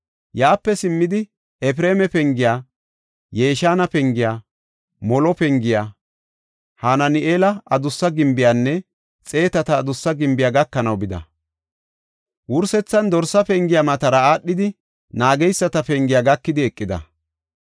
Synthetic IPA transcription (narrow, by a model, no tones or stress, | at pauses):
jaːpːɛsɪmːɪd̪ɪ | ɛp̬ɾe̞ːmɛpɛŋɡɪjaː | je̞ːʃaːnɐpɛŋɡɪjaː | mɔlɔpɛŋɡɪjaː | hanɐnɪʔeːlɐɐd̪ʊsːɐɡɪmbɪjaːnːɛ | t͡sʼe̞ːt̪ɐt̪ɐːd̪ʊsːɐɡɪmbɪjaːɡɐkːɐnɐwbɪd̪ɐ̰ | wʊɾsɛt͡sːɐnd̪ɔɾsɐpɛŋɡɪjamɐt̪ɐɾɐaːɗːɪd̪ɪ | naːɡɛjsːɐt̪ɐpɛŋɡɪjaːɡɐkːɪd̪ɪɛkʼːɪd̪ɐ̰